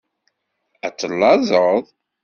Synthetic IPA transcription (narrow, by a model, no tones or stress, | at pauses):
æt͡sːəlːɑzˤəðˤ